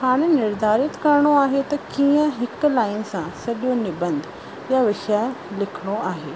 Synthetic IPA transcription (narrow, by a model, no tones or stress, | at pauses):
xaːɽ̃nɪɾd̪ʱaːɾɪt̪kɐɾɽ̃oaːɦet̪ɐkiːə̃ɦɪklaːɪnɪ̆sãsɐɗjonɪbɐ̃nd̪ʱ | jaʋɪʃalɪkʰɪɽ̃oaːɦeː